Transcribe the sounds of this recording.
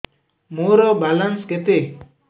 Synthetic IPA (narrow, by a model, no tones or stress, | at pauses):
muɾɔbalanskɛt̪e